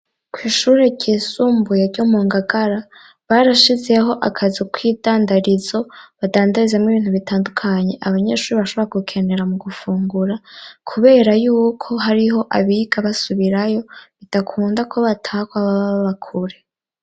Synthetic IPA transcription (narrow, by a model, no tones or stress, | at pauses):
kwiːʃuːɾeɟisuːmbujaɾɟomuːŋɡaɡaɾa | βaɾaʃize̞ɦo̞ʔakʰazikwiːdaːndaɾizo̞βadaːndaɾizemŋiβiːn̥huβitaːndukʰaɲe̞ʔaβaɲe̞ːʃuːɾiβaʃo̞βoɾaɡukʰe̞ne̞ɾamuɡufuːŋɡuɾakʰuβe̞ːɾajuːkʰo̞ɦaɾiɦo̞ʔaβiɡaβasuβiɾajo̞βid̥akʰuːndakʰo̞βatʰaːkwaβaβaβakʰuɾe̞